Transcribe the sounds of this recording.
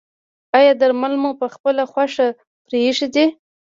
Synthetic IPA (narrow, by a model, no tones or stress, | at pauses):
ajɑd̪aɾmalmopəxpəlaxwaʂa | pɾeʂid̪i